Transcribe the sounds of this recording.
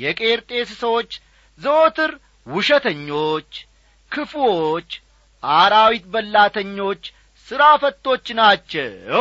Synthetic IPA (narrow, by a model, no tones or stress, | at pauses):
jɛkʼeɾt̪ʼe̞ssəwo̞t͡ʃː | zəot̪ʰɨɾ | wʊʃət̪ʰəɲːo̞t͡ʃː | kʰɨfwot͡ʃː | ʔaɾawit̪bəlːat̪ʰəɲːo̞t͡ʃː | sɨɾafət̪ʼːo̞t͡ʃːnat͡ʃːɛ̰w